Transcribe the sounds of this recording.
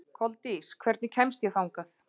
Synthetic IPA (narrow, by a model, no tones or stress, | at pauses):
kʰɔlt̪iskʰvɛɾt̪nɪcʰɛmst̪jɛθawŋkaθ